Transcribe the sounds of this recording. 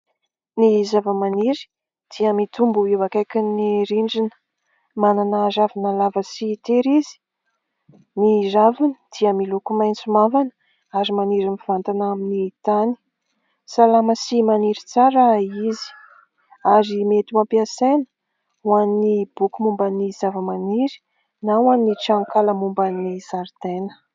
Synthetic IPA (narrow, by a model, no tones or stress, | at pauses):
nizavəmaniɾi̥ | d̪̥iəmit̪umbuiwakajkiniɾiɳɖ͡ʐinə̥ | mananazavanəlavəsit̪eɾizi̥ | nizavanəd̪̥iəmilukumajnt͡sumavan | aɾimaniɾimiv̥ant̪anaminit̪ani̥ | salaməsimaniɾit͡saɾaizi̥ | aɾimet̪uampiasenə̥ | uanːib̥ukumumbənizavəmaniɾi̥ | nawanːiʈ͡ʂaŋkaləmumbanizaɾd̪enə̥